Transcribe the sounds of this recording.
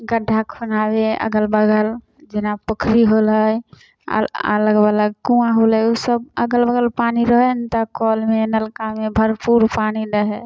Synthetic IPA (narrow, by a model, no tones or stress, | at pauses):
ɡəɖʱːakʰfənabeə̰ɡəlbəɡəl | d͡ʒɪnapəkʰɾiɦoləj̰ | ə̰ləɡbələɡ̚kũãɦoləjusəbəɡəlbəɡəlpaniɾəɦɛnt̪əkɔlmenəlkamebʱəɾpuɾpaniɖəɦɛ